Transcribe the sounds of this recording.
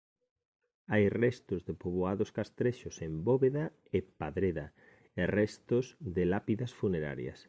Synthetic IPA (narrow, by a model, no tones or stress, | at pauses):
ajrɛst̪ʊzðepoβoaðoskast̪ɾeʃʊsemboβeða | epaðɾeða | erɛst̪ozðɪlapiðɐsfuneɾa̰ɾjɐ̰s